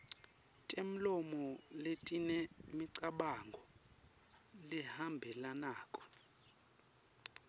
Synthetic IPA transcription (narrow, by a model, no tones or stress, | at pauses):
tʼem̩lɔmɔletʼinɛmiǀaɓaŋɡʱɔ | lihambʱɛlanaːkʼɔ̥